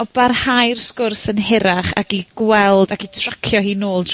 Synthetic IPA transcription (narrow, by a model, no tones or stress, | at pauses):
ɔb̥arhajrskʊrsənɦɛɾaχa̰ɡiɡ̥wɛlˠdaɡitʰrakʰjɔhiːnoːlˠdʰ